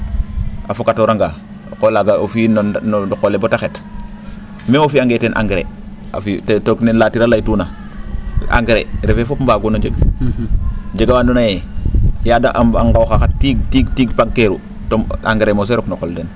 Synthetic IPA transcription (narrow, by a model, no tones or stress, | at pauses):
afokatoɾaŋɡa | kolaɡaofinondkolebotaxet | memofiaŋɡetenʔa̰ŋɡɾḛ | a̰fittoknenlatiɾalajtuːna | a̰ŋɡɾḛɾefefopmbaːɡunod͡ʒeɡ | d͡ʒeɡawaːndunajejaːdaʔaŋɡawxaxatiɡ̚tiɡtiːɡpaɡ̚keɾu | toma̰ŋɡɾemos̬eɾoknoxolden